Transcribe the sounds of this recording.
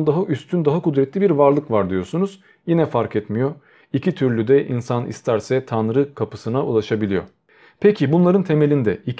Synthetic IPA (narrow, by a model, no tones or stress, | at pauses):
d̪aɦaʔyst̪ʰynd̪aɦakud̪ɾɛt̪lʲibiɾvaɾlˠɯkvaɾd̪ijo̞sunuz̥ | jinɛfaɾkʰɛt̪mijo | icʰit̪ʰyɾlʲyd̪ɛʔinsanḭst̪ʰæɾsɛt̪ʰanɾɯkʰapɯsɯnaulˠaʃabilʲijo̞̰ | pʰecʰibunlˠaɾɯnt̪ʰe̞me̞lʲind̪ɛi